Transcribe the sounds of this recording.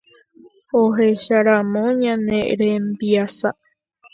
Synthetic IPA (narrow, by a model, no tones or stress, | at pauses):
oɦeʃaɾamõɲãnẽɾembiasa